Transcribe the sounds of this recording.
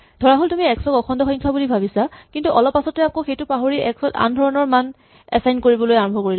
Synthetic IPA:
dʱɔɹaɦoltumiɛksɔkɔkʰɔndɔxɔŋkʰabulibʱabisakintuʔɔlɔpːasɔtɛakoxejtʊpaɦoɹiʔɛksɔta̰ndʱɔɹɔnɔɹman | ɛ̰sajnkoɹibɔlojaɹɔmbʱɔkoɹil

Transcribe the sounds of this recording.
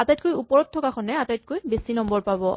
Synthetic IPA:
atatkojupɔɹɔt̚tʰːɔkakʰɔnɛatajt̚kojbesinɔmbɔɹpabɔ

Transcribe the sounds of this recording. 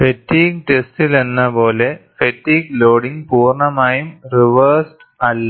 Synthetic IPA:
fɛʈːiːk̚ʈɛsʈɪlɛnːɐpoːlefɛʈːiːkloːɽɪŋɡpuːɾɳɐmaːjɯmɾɪʋɐɾsʈ | ɐlːɐ

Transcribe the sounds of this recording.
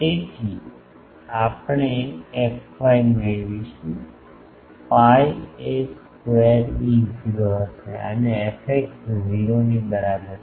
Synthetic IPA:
et̪ʰi | apəɳeɛkʋajmeɭʋit͡ʃũ | paieskʋeɾiziɾot͡ʃʰeə̰neefʰek̚sziɾonibəɾabəɾ

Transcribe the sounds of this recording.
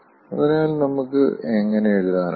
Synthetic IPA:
ɐðɐɾɐjaːlnɐmukːɨ̰eŋːɐneeɻuðaːn

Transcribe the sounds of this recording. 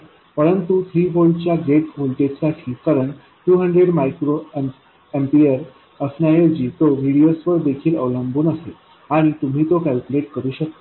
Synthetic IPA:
pəɾənt̪ut̪ʰɾiːbolɖt͡ɕjaɡeʈʋolt̪esaʈʰiːkaɾəɳ | ʈuːɦəɳɖɾeɽmajkɾo | empiəɾ | əsnajed͡ʑiːt̪oʋʱiɽijosʋəɾd̪ekʰiːlə̰ʋləmbuːnəse | aɽ̃it̪um̤ʱiːt̪okælkuleʈkəɾuːɕək̚t̪a

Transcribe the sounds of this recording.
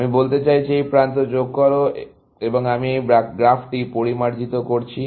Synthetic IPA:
amibolt̪et͡ɕajt͡ɕʰiejpɾant̪od͡ʑoɡ̚kɔɾo | eboŋamiejbakɡɾafʈipoɾimaɾd͡ʑit̪okoɾt͡ɕʰi

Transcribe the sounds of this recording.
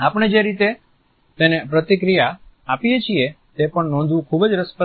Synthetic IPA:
apəɳ̃ed͡ʒeɾit̪e | t̪enepɾət̪ikɾijaː | pijet͡ʃʰie | t̪epəɳnɔ̃nd̪ʋũkʰubəd͡ʒɾəspə

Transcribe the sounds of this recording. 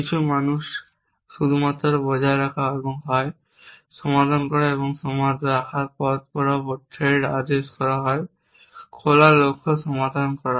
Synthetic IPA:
kit͡ɕʰumanuʃ | ʃud̪ʱumat̪ːɾobɔd͡ʑʱaeɾakʰaɦɔeboŋɦɔe | ʃɔmad̪ʱankɔɾaeboŋʃɔmad̪ʱɾakʰaɾpɔt̪̚pɔɾapɔʈʰeɖad̪eʃkɔɾaɦɔe | kʰolalokʰːoʃɔmad̪ʱankɔɾa

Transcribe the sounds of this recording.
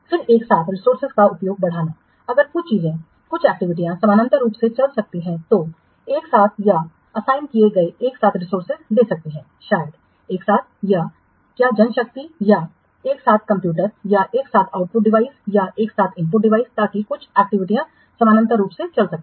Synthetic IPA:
fɪɾeːksaːt̪ʰɾɪsoːɾsɪzkaʊpjoːɡ̚bɐɽ̤aːna | ɐɡəɾkʊt͡ʃʰt͡ʃiːzẽ | kʊt͡ʃʰɛːk̚ʈɪʋɪʈ̬ijãsɐmaːnə̃nt̪əɾuːpset͡ʃɐlsɐk̚t̪iɦɛ̃t̪o | eːksaːt̪ʰja | ɐsaːɪnkieɡɐeeːksaːt̪ʰɾɪsoːɾsɪzleːsɐk̚t̪iɦɛ̃ː | ʃaːjəd̪ | eːksaːt̪̚ʰja | kjaːd͡ʒɐnʃɐk̚t̪ija | eːksaːt̪̚ʰkɐ̃mpjuːʈəɾjaʔeːksaːt̪ʰaːʊʈ̚pʊʈ̚ɖɪʋaːɪsjaʔeːksaːt̪ʰɪ̃mp̬ʊʈ̚ɖɪʋaːɪst̪aːkikʊt͡ʃʰɛːk̚ʈɪʋɪʈijã | sɐmaːnə̃nt̪əɾuːpset͡ʃɐlsɐk̚t̪i

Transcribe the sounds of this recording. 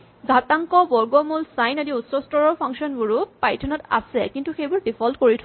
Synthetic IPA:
ɡʱataŋkɔbɔɹɡɔmulsajnadiutsɔstɔɹɔɹpʰaŋksɔnbuɹʊpajtʰɔnɔta̰sɛkintuxejbuɹbipʰɔltkoɹitʰ

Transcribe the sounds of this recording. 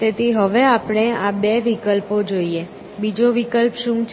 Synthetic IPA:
t̪et̪iɦəʋeapɳ̃eabeʋikəlpod͡ʒoie | bid͡ʒoʋikəlpʃũt͡ʃʰ

